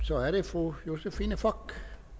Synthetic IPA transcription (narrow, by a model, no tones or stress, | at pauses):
sɒ̽æɐɾefʁujo̝səfiːnəfɒɡ̥